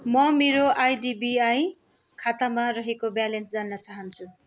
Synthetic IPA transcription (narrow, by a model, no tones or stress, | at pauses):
mʌmeɾoʔajdibiaj | kʰat̪amaɾʌɦekobjalensd͡zanːʌt͡saɦʌnt͡sʰu